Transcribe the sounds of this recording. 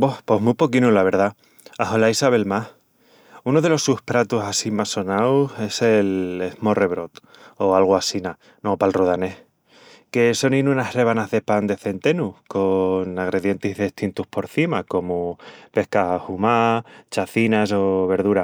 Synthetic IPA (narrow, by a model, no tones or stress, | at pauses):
bohpo̞ɦmupo̞kinulaβ̞e̞ɾða | aɦolaisaβ̞e̞lmah | unoð̞e̞lo̞suhpɾat̪usasimaso̞nawse̞se̞lehmo̞re̞β̞ɾo̞t̪ | o̞alɣ̞oasina | nopalroð̞ane̞h | ke̞so̞ninunare̞βanazðe̞pand̪e̞θe̞nt̪e̞nuko̞naɣ̞ɾe̞ðje̞nt̪iɦðeht̪int̪uhpo̞ɾθimako̞mupe̞hkahumat͡ʃaθinaso̞β̞e̞ɾð̞uɾa